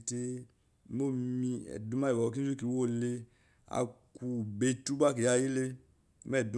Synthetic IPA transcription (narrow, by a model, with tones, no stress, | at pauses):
te˧˦ | mo˦˨mi˧ɛ̰˨du˨˦ma˦i˨ba˨˧k̬i˦zu˦ki˨˧˨wo˦˨le˧ | a̰˨ku˧˨be˧tu˦ba˦k̬i˨ja˧˨ji˦le˧˦ | mɛ˦˨du˧˦